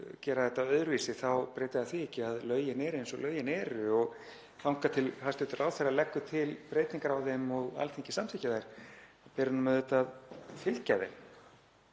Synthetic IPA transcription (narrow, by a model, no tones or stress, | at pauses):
cɛːɾaðɛt̪ːaœðɾviːsɪθawpɾeːjt̪ɪðaθviɛcːɪaðlœːɥjɪnɛɾensɔlʔœɥjɪnɛːɾʏɔɣ | fawŋkat̪ʰɪlhast̪ɪt̪ʏrʔaːwθeralɛkːʏt̪ʰɪlpɾeːjt̪niŋkaɾawðɛmɔɣa̰lt̪ʰeŋcɪ̥samt̪ʰɪcaðajɾ̥apɛːɾʏnʏmɛðɛt̪aðfɪl̥caðɛ̰m